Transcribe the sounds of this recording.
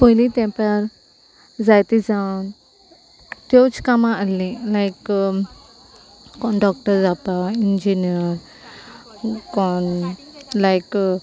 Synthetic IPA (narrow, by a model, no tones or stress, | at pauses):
pojlit̪ɛ̃paɾ | zajt̪izan | t̪jot͡ʃkamaʔəlĩlajk | kɔnɖɔk̚ʈəɾzapaind͡ʒiniəɾ | kɔn | lajk